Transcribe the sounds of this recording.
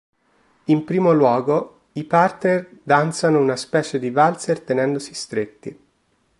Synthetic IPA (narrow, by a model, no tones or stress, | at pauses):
impɾiːmolwɔːɡo | ipart̪nerd̪ant̪sanounaspɛːt͡ʃed̪ivalt̪sert̪enɛnd̪osi̥st̪ɾet̪ːi